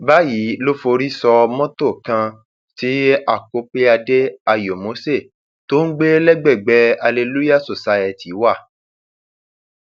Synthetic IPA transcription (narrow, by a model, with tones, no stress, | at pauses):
ba˦ji˨˦lo˦fo˧ɾi˦sɔ˧mɔ̃˦to˦˨kã˧ | ti˨˦a˦˨ko˧k͡pe˦a˧de˦a˧jo˨mo˨˦se˦˨ | to˦n̩˦ɡ͡be˦lɛ˦ɡ͡bɛ˦˨ɡ͡bɛ˧˦a˧le˧lu˦ja˦˨so˨sa˧ɛ˧˨ti˨˦wa˦˨